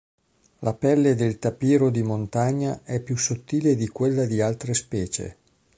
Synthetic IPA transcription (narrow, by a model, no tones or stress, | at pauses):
lapɛlːed̪elt̪apiːɾod̪imont̪aɲːaʔɛpːjusːot̪ːiːled̪ikwelːad̪ialt̪ɾespɛːt͡ʃḛ